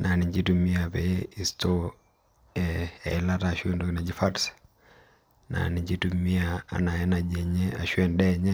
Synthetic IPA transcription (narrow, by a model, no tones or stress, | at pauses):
nʔaniɲd͡ʒitumiapɛiistɔ | ɛɛ̰ilataʃuɛndɔkinad͡ʒifats | na̰niɲd͡ʒitumiaa̰naɛnad͡ʒɛɲɛa̰ʃuɛndɛɲɛ